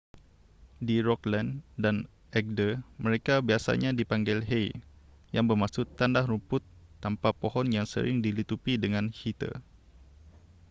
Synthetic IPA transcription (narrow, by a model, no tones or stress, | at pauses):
diɾɔklandan | ʔɛk̚dəməɾekabiasa̰ɲadipaŋɡɛlɦej | jaŋbərmasʊt̪ːandahɾumpʊt̪ːampapohɔnjaŋsə̰ɾɪ̰ŋdilit̪upidəŋanhit̪ə̰